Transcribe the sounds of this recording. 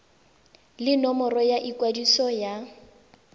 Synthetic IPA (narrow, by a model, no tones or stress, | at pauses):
lɪnɔmɔrɔjaʔikwadisɔja